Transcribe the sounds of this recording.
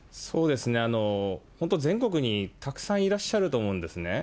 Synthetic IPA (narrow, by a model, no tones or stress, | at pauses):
so̞ːd̪e̞sɨne̞ano̞hont̪o̞zẽ̞ŋko̞k̬ɯ̟ɲ̟it̪akɯ̥sãɰ̃iɾaɕːaɾɯ̟t̪o̞ːmo̞ɯ̃nd̪e̞sɨne̞